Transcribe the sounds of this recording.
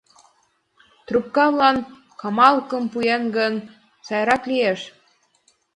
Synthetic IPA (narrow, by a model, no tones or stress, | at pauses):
t̪rup̚kɑβlɑn | kɑmɑlkɤmpujenɡən | sɑjɾɑklijeʃ